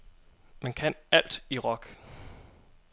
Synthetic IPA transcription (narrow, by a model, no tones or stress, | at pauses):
mænkʰænæl̰d̥iʁɒ̽ɡ̥